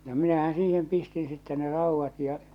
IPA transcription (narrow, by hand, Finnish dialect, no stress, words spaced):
no minæhæn̞ siːhem pistin sitːe ne rɑˑuʋːɑt jɑ